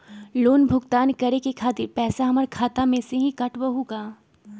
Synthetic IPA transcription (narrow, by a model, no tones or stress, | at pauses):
loːnbʱʊɡt̪aːnkɐɾekekʰaːt̪ɪɾpɛːsaɦɐməɾkʰaːt̪amẽseɦĩkɐʈbɐɦuɡaː